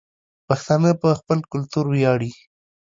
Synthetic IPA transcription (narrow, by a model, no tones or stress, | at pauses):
paxt̪ɑnəpəxpəlkʊlt̪uɾwjɑɽi